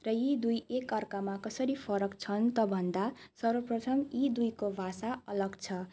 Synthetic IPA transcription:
rʌjid̪ujekʌrkamakʌsʌɾipʰʌɾʌkt͡sʰʌnt̪ʌbʱʌnd̪asʌɾʌprʌt̪ʰʌmid̪ujkobʱasaʌlʌɡt͡sʰʌ

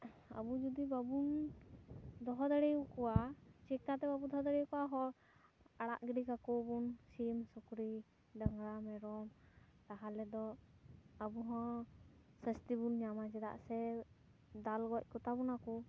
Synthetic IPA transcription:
ə̰bud͡ʒud̪ibabun | d̪ɔɦɔd̪əɽɛjukɔwat͡ʃɛkat̪ɛbabud̪ɔɦɔd̪əɽɛjukɔwaɦɔɾ | aɽa̰ʔɡiɖikakɔbunsimsɔkɾi | ɖəŋɡɽamɛɾɔmt̪aɦalɛd̪ɔ | əbuɦɔ̃ | səst̪ibunɲamat͡ʃɛd̪a̰ʔsɛ | d̪alɡɔc̚ˀkɔt̪abunakɔ

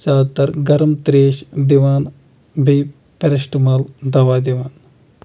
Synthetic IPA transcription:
t͡ʃaːt̪ɐɾɡɐɾmt̪ɾeːʃd̪iʋaːn | bʱij | pɐɾɐʃʈmɐld̪ɐʋaːd̪iʋaːn

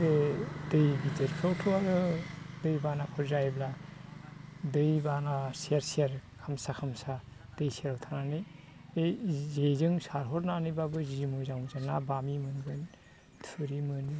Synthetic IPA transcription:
bedɯjbid͡ʒetkʰawtʰɔaɾɯdɯjbanapʰɯɾzajbla | dɯjbanasieɾsieɾkʰamsakʰamsa | d̥ɯjseɾawtʰananɯjejzezɯŋsaɾɦɔɾnanɯjbabɯzimozawzanabamimɯnɡɯn | tʰuɾimɯni

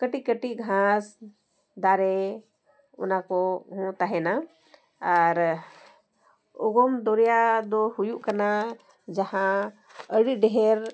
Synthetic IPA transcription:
kəʈikəʈiʔɡʱãs | d̪aɾɛ | ɔ̰nakɔɦɔ̃t̪aɦɛna | aɾ | ɔɡɔmd̪ɔɾjad̪ɔhujuʔkana | d͡ʒahã | əɽiɖɛɦɛɾ

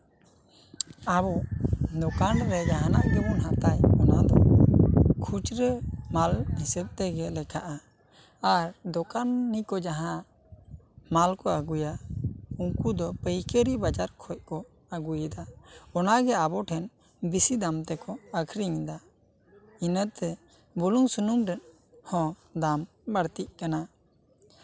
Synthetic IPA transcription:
abɔd̪ɔkanɾɛd͡ʒaɦanaʔɡɛbɔnɦat̪ajɔnad̪ɔ | kʰut͡ʃɾəmalhisɛb̚t̪ɛɡɛlɛkʰaʔa | aɾd̪ɔkanːikɔd͡ʒaɦã | malkɔaɡujauŋkud̪ɔpəjkəɾibad͡ʒaɾkʰɔc̚ˀkɔ | aɡujəd̪aɔnaɡɛabɔʈʰɛn | bisid̪amt̪ɛkɔəkʰɾiɲd̪a | inət̪ɛ | buluŋsunumɾɛn | hɔ̃ | d̪am | baɽt̪iʔ̚kana

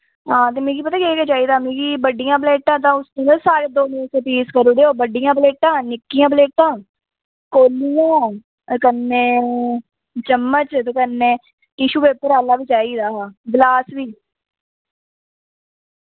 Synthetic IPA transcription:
ɦãːt̪eːmẽːɡipət̪aːkieːket͡ʃaːiːd̪aːmẽːɡiːbəɖijãːpleːʈãːt̪̬ãːʊsnẽːd̪asaːɾeːd̪oːnẽːsẽːpiːskəɾoːd̪eːoːbəɖijãːpleːʈãːnɪkːijãːbleːʈãː | koːlijãː | kənːẽː | t͡ʃəmːət͡ʃt̪õːkənːẽː | ʈiːʃuːpeːpəɾaːlaːʋiːt͡ʃaːiːd̪aːblaːsʋiː

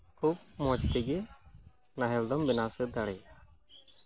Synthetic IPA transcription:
kʰup̚mɔt͡ʃt̪ɛɡɛ | naɦɛld̪ɔmbɛnasɛd̪aɽɛ

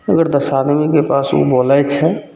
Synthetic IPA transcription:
əɡəɾd̪əsad̪mikepasṵboləjt͡ʃʰɛ

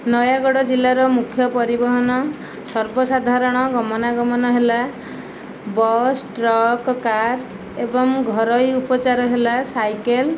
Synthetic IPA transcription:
nɔjaɡɔɽɔd͡ʒilːaɾɔmukʰjɔpɔɾibɔɦɔnɔ | sɔɾbɔsad̪ʱaɾɔɽ̃ɔɡɔmɔnaɡɔmɔnɔɦela | bɔsʈɾɔkkaɾ | ebɔŋɡʱɔɾɔjupɔt͡ʃaɾɔɦelasajkel

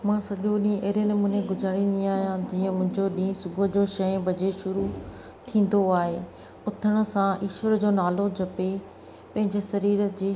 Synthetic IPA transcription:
mãːsɐʄoɗĩʔeːɾjənɪ̆mʊ̃ɦnẽɡʊd͡ʑaːɽ̃ĩːn̆d̪iaːɦijãd͡ʑiːə̃mʊ̃ɦɪ̃ɲd͡ʑoɗĩːsʊɡʱod͡ʑoʃɐ̃jbʱɐd͡ʑeʃʊɾu | t̪ʰĩːn̆d̪oaːɦeː | ʊt̪ʰəɽ̃ʊ̆sãiːʃwəɾd͡ʑoːnaːlod͡ʑʱɐpe | pɐ̃ɦɪ̃ɲd͡ʑesɐɾiːɾəd͡ʑeː

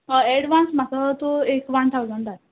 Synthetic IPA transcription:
əɛɽʋansm̤atət̪oekʋant̪ʰawzəɳɖat̪

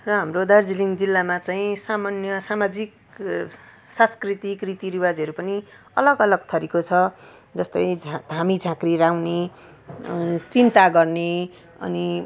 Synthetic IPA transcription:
rʌɦamrod̪ard͡ziliŋd͡zilːamat͡saĩsamanjʌsamad͡zik | sãskrit̪ikrit̪iɾiwad͡zʌɾupʌni | ʌlʌɡʌlʌɡ̚t̪ʰʌɾikot͡sʰʌ | d͡zʌst̪ʌj̃d͡zʱd̪ʱamid͡zʱãkriɾawne | t͡sint̪aɡʌrne | ʌ̰ni

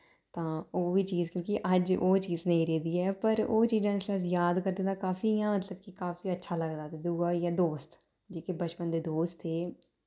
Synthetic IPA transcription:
t̪ãːoːbiːt͡ʃiːzkjõːkiʔəd͡ʒoːt͡ʃiːznə̃ĩːɾɛːd̪iːɛːpəɾo̰ːt͡ʃiːzãːɪslaːsjaːd̪kəɾd̪ẽːd̪aːkaːfiːjãːmət̪ləb̚kikaːfiːətːʃʰaːləɡd̪aːt̪eːd̪uaːjaːd̪oːst̪ | d͡ʒeːkebət͡ʃpənd̪eːd̪oːst̪eː

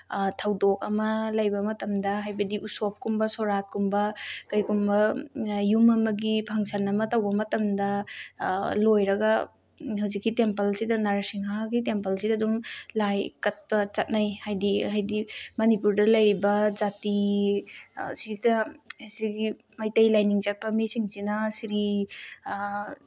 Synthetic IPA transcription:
tʰɐwdok̚ɐmɐlɐjbɐmɐtɐmdɐɦajbɐdiʔusop̚kumbɐsoɾat̚kumbɐkɐjkumbɐjumɐmɐɡipʰɐŋsʰɐnɐmɐtɐwbɐmɐtɐmdɐ | lojɾɐɡɐ | hawzikːitempɐlsidɐnaɾɐsiŋɦaɡitempɐlsidɐdumlajkɐt̚pɐt͡ʃɐt̚najhajdihajdimɐnipuɾdɐlɐjɾibɐd͡ʒati | sidɐhasiɡi | majtɐjlajniŋt͡ʃɐt̚pɐmisiŋsinɐsiɾi

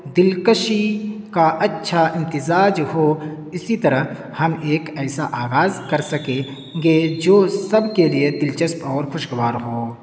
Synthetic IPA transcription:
d̪ɪlkəʃikaʔɐtːʃʰaɪ̃nt̪ɪzaːd͡ʒhoː | ɪsit̪ɐɾəɦ | hɐmeːkɛːsaʔaːɣaːzkɐɾsɐkẽ | ɡed͡ʒoːsɐbkelied̪ɪlt͡ʃəspɔːɾxʊʃɡʋaːɾɦoː

